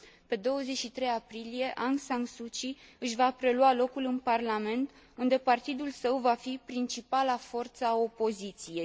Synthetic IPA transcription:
pe̞d̪o̞wəze̞t͡ʃʃit̪ɾe̞japɾilije̞ʔansaŋsut͡ʃiɨʃvapɾe̞lwalo̞kulɨnparlame̞nt̪ | und̪e̞part̪id̪ulsəwvafipɾint͡ʃipalafo̞rt̪səo̞po̞zit̪sije̞j

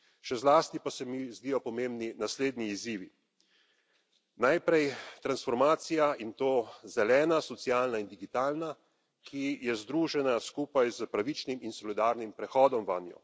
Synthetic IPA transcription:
ʃɛzlaːst̪ipasɛmizd̪iːjɔpɔmembninasleːd̪niːziːʋi | najpɾɛjt̪ɾansfɔɾmaːt̪sijaint̪oːzɛlɛːnasɔt̪sijaːlnaind̪iɡit̪aːlna | kʰijɛzd̪ɾuːʒɛnaskuːpajzəpɾaʋit͡ʃniminsɔlid̪aːɾnimpɾɛxɔːd̪ɔmʋanjɔ̰

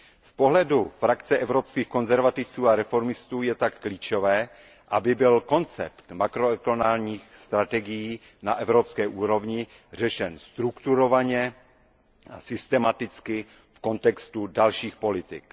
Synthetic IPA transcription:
spo̞ɦlɛdufɾakt͡sɛʔɛvɾopskiːxko̞nzɛɾvat̪ɪft͡suːaɾɛfo̞ɾmɪst̪uːjɛt̪akːliːt͡ʃo̞vɛː | ʔabɪbɪlko̞nt͡sɛ̰pt̪makɾoɛklonaːlɲiːxst̪ɾat̪ɛɡɪjiː | naʔɛvɾopskɛːʔuːɾo̞vɲɪ | r̝ɛʃɛnst̪ɾukt̪uɾo̞vaɲɛ | a̰sɪst̪ɛmat̪ɪt͡skɪ | fko̞nt̪ɛkst̪udalʃiːxpo̞lɪt̪ɪk

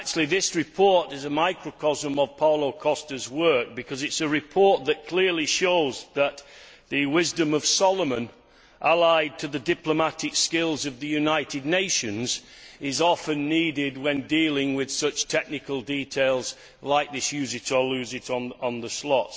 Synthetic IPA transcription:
k̚t͡ʃʉl̩ˠiðɪsɹɨpʰɔɹɾɪzəmaɪkɹəkʰɑzə̃məv̥pʰɑʊlˠoʊkʰɔstə˞zwɜ˞k̚b̥ɨkʰʌzɨtsɨɹɪpʰɔɹt̪̚ðɨʔ̚kʰl̥ɪɹliʃoʊzðət̪̚ðɨwɪzdɨ̃mʌv̥sɑlˠəmə̃n | ʔəlaɪd̚tʰɨðɨdɪpləmatɪkskɪlˠzʌvðɨjʉnaɪtɨdⁿneɪʃɨ̃nzɪzɑfɨ̃nːidɪd̚wə̃ndilˠɪ̃ŋwɪð̥sʌt͡ʃtʰɛk̚nɨkəlˠditʰeɪlˠz | laɪk̚ðɪsjʉzɨɾə˞lʉzɪɾn̩n̩ðəslɔts

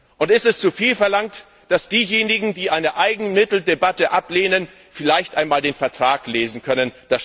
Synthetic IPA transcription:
ʔʊntɪstɛst͡sufiːlfɛɐlaŋt | d̥asd̥iːjeːnɪɡŋ̩diːʔaɪnəʔaɪɡŋ̩mɪtl̩debatəʔapleːnən | fɪlaɪçtʔaɪnmaːldeːnfɛɐtʁ̥aːkleːzn̩kʰœnənd̥as

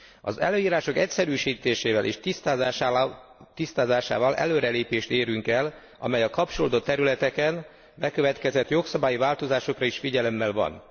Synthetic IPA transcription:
ɒ̰zɛ̰løːjiːɾaːʃo̞kɛcsɛɾyːʃiːt̪eːʃeːvɛlʔḛːʃt̪ist̪aːz | t̪ist̪aːzaːʃa̰ːvɒlʔɛ̰løːɾɛleːpeːʃt̪eːɾyŋkɛl | ɒ̰mɛjɒkɒp̚t͡ʃoloːd̪ot̪ːɛɾylɛt̪ɛkɛn | bɛkø̞vɛt̪kɛzɛt̪jo̞ksɒbaːjivaːlt̪o̞zaːʃo̞krɒiʃfiɟɛlɛmːɛlvɒ̰n

